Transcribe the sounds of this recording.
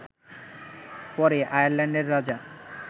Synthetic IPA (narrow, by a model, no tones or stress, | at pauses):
pɔɾeʔajaɾlɛɳɖeɾːad͡ʑa